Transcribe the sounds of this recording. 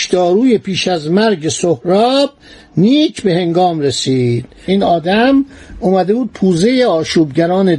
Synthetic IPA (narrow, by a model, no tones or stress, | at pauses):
ʃd̪̥ɒːɾuːjepiːʃæzmæɾɟesohɾɒːb̥̚ | niːcʰbe̞he̞ŋɡɒːmɾesiːd̪̥ | iːnɒːd̪æmomæd̪e̞buːd̪̚pʰuːze̞jeɒːʃuːbɟæɾɒːne